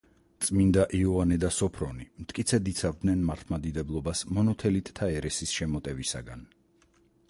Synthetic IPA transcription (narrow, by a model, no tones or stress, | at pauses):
t̪sʼmind̪aʔiɔvanɛd̪asɔpʰɾɔnimt̪ʰkʼit̪sʰɛd̪it̪sʰavd̪nɛnmaɾt̪ʰmad̪id̪ɛblˠɔbasmɔnɔt̪ʰɛlit̪ʼt̪ʰaɛɾɛsisʃɛmɔt̪ʼɛvisa̰ɡan